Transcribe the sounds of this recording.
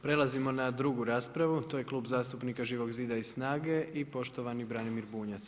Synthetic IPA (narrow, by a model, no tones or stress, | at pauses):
pɾe̞lˠazimo̞nad̪ɾuɡuɾaːspɾaʋut̪oːje̞klˠuːbzaːst̪upnikaʒiːʋo̞ɡziːd̪aizssnaːɡe̞ʔipo̞ʃt̪oʋanibɾanimiɾbuːɲat̪s